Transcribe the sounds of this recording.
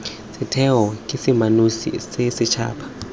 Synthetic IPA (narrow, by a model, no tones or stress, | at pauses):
sɪtʰɛɦɔkʼɪsɪmanusḭsɪsɪt͡ʃʰa̰ːpʰḁ